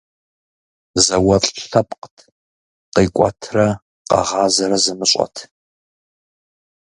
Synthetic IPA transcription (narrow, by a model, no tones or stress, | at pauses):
zɐwɐɬʼɬɐpʼqtʰ | qiːkʷʼɐ̰tʰrɐ | qɑ̰ʁɑːzɐɾɐzɨmɨɕʷʼɐ̰tʰ